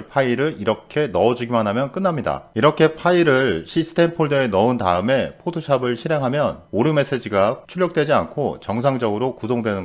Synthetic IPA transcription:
pʰaiɾɯɭiɾʌkʰe̞nʌːd͡ʑuɡimanɦamjʌnk͈ɯnːamɲida̰iɾʌkʰe̞pʰaiɾɯɭɕʰisʰɯ̥tʰe̞mpʰoɭdɯe̞nʌɯntaɯme̞pʰotʰoɕʰabɯɭɕʰiɾɦe̞ŋɦamjʌnoɾɯme̞s͈e̞d͡ʑiɡat͡ɕʰuʎjʌk̚t͈wed͡ʑia̰nkʰot͡ɕʌŋs̬ʰaŋd͡ʑʌɡɯɾokudoŋdwe̞nɯn

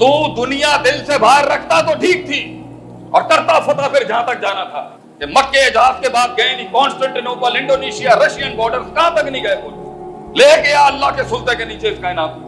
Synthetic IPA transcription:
t̪ũːd̪ʊnijad̪ɪlsebʱaːɾːɐkʰt̪at̪oʈʰiːk̚t̪ʰiː | ɔ̰ːɾkɐɾt̪afɐt̪apʰɪɾd͡ʒɐɦãt̪ɐk̚d͡ʒaːnat̪ʰa̰ː | kemɐʈ̚keɪd͡ʒɦaːskebaːt̪̚ɡɐet̪ikɔ̃ːnsʈə̃ɳʈinoːpəlɪ̃ɳɖoːneːʃijaɾɐʃijənbɔːɾɖəɾskɐɦãt̪ɐknĩɡɐepoːt͡ʃ | leːkejaɐlːaɦkesʊlt̪ekeniːt͡ʃeɪskaɪnaːm

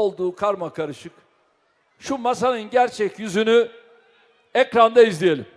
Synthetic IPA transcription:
olˠd̪uːkʰaɾmakʰaɾɯʃɯk | ʃumasanɯnɟæɾt͡ʃʰɛcjyzyny | ɛcɾand̪aizlʲijelʲim

